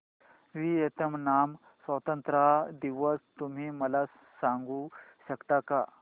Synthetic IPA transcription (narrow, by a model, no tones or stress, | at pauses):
ʋiːet̪əmnam | sʋət̪ənt̪ɾad̪iʋəst̪um̤iːməlasːaŋɡuːɕəkt̪aka